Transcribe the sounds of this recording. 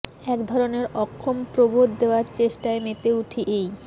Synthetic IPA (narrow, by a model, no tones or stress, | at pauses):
ɛkd̪ʱɔɾoneɾɔkʰːompɾobod̪d̪eoaɾt͡ɕeʃʈaemet̪euʈʰiʔej